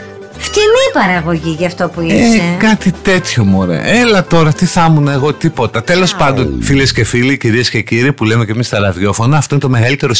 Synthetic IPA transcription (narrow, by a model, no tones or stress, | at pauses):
ft̪imipɐɾɐɣo̞ʝiʝɐft̪o̞puiesekɐt̪it̪e̞t̪ço̞moɾḛʔelɐt̪o̞ɾɐt̪iθɐmunɐeɣo̞t̪ipo̞t̪ɐt̪e̞lo̞spɐnd̪o̞nfile̞sce̞filiciɾiesce̞ciɾipulemece̞mist̪ɐɾɐðʝo̞fo̞nɐːft̪o̞inet̪o̞me̞ɣɐlit̪e̞ɾo